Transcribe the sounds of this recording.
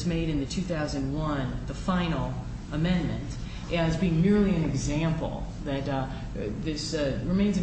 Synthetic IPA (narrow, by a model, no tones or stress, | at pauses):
zmeɪɾɨ̃nðɨtʰʉθaʊzɨ̃nwʌ̃nðəfãɪ̃nl̩ˠ | əmɛ̃nmɨ̰̃nt | ʔɨzbiɪ̃ŋmɪɹlˠiɨ̃nɨɡzæ̃mpl̩ˠ | ðɨt̪̚ | ðɪsɹɨmẽɪ̃nzɨ